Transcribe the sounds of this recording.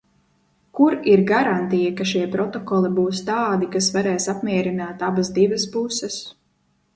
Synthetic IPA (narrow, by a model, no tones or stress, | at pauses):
kuɾiɾɡaɾant̪ijakaʃiɛpɾɔt̪ɔkɔlˠibuːst̪aːd̪ikasvaɾɛːsapmiɛɾinaːt̪abzd̪ivɐspusɛs